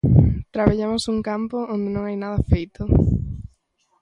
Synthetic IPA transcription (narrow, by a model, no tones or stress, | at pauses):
t̪ɾaβaʎamosuŋkampoõnd̪ɪnõŋajnaðɐfejt̪ʊ